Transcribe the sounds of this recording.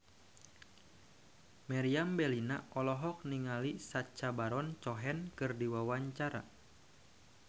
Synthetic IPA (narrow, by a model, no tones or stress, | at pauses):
maɾiambɛlina̰ʔɔlɔɦɔk̚niŋalisat͡ʃabaɾɔnt͡ʃɔɦɛnkɨrdiwawaɲt͡ʃaɾa̰